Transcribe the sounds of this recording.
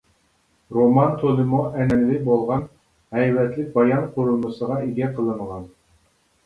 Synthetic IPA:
ɾomɑnt̪ʰolˠɨmuʔɛnɛnɪlɪbolˠʁɑn | hɛjvɛt̪lɪk̚ʲbɑjɑnqʰʊɾulˠmɨsəʁɑiɡʲɛqʰəlˠɨnʁɑn

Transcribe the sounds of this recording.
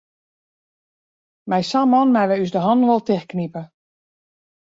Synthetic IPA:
mɛjsamɔnmɛjʋɛysdəɦɔndʋɔlˠtɪxknipə

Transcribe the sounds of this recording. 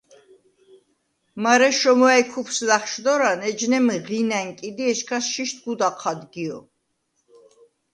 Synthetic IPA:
maɾɛʃɔmɔɛjkʰupʰslaχʃd̪ɔɾanɛd͡ʒnɛmʁinæŋkʼid̪iɛʃkʰasʃiʃt̪̚ʰɡud̪aqʰad̪ɡiɔ̰

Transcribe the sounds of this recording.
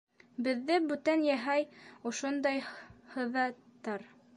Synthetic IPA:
bɘ̆ðːɘbʉt̪ænjæɦæjŏʃond̪ɑjhɤ̆ðɑtt̪ːɑɾ

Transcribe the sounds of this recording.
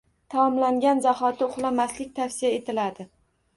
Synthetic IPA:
t̪ʰaɒmlaŋɡʲanzaχɒt̪ʰɪʊχlˠamaslɪk̚ʲt̪ʰafsijae̞t̪ʰɪlad̪ɪ

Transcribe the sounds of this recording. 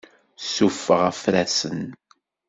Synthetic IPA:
sufːəʁæfɾæsən

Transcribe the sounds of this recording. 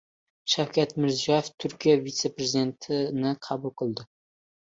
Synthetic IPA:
ʃawkʲat̪mɪɾzijɒjeft̪ʰʊɾkʲijavit̪se̞pɾezid̪e̞nt̪ʰɪnɪqʰɑbʊlˠqʰɨlˠd̪ɪ

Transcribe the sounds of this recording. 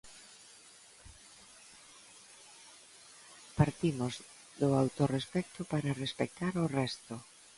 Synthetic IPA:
paɾt̪imoz | d̪oawt̪orespɛk̚t̪opaɾarespek̚t̪aɾorɛst̪o

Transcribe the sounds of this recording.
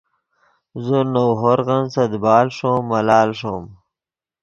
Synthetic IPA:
zənowɦoɾɣansɐd̪bɑːlʂomːalɑːlʂom

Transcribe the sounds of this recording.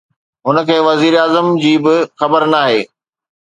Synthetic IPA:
ɦʊnə̆kʰeːʋɐziːɾaːzəmd͡ʑiːbɪxɐbəɾnaːɦeː

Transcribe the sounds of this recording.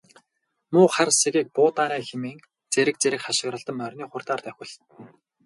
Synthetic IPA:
mʊːχarseɣiːk̚pʊːt̪aːɾæːŋxemeːŋ | t͡seɾɘ̆k̚t͡seɾɘ̆kχaʃɪ̆ɣɾə̆ɮt̪ə̆mœrʲniːχʊrt̪aːrt̪œxʲɪ̆ɮ

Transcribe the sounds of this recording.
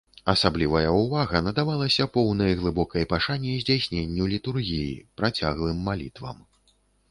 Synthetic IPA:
ɐsablʲivɐjɐuvaɣɐnɐd̪avalˠɐsʲɐpɔwnɐjɣlˠɨbɔkɐjpaʂanʲːɛjzʲd͡zʲasʲnʲenʲːulʲit̪urɣʲijḭpɾat͡sʲaɣlˠɨmːalʲit̪vɐ̰m

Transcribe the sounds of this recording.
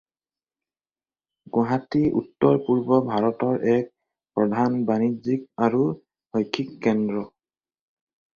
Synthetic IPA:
ɡuɦatiʔṵtːɔɹpuɹbɔbʱaɹɔtɔɹʔɛk̚ | pɹɔdʱanbanizik̚aɹu | hɔjkʰːikːɛndɹɔ

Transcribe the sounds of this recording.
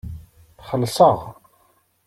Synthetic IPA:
θχəlːsəʁ

